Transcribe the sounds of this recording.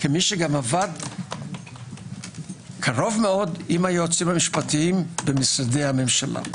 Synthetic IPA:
kemiʃeɡamavad | kʰaʁo̞vmeo̞d̪imajuot͡simamiʃpatiimbemisadejhame̞mʃalʔa̰

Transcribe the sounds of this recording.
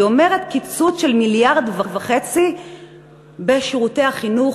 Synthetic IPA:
ome̞ʁet̪kit͡sutʃelmiljaʁd̪vavaχet͡si | beʃiʁute̞aχinu

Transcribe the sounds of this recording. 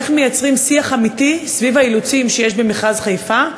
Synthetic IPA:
χmejat͡sʁimsiaχamit̪isvivailut͡simʃejeʃbemeχazχajfa

